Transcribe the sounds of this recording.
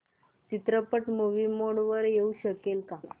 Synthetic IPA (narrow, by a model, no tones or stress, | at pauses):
t͡ɕit̪ɾəpəʈmoʋimoɽʋəɾjeuɕəkelka